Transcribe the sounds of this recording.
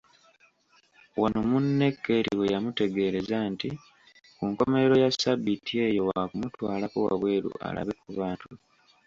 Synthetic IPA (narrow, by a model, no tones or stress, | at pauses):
wano̞munːe̞kːe̞ɾiwejamute̞ɡe̞ɾe̞zanti | kuŋko̞me̞eɾo̞jasabitie̞ːjo̞wakumutwaːlakowa̰βwe̞ːɾṵʔa̰la̰βe̞kuβaːtu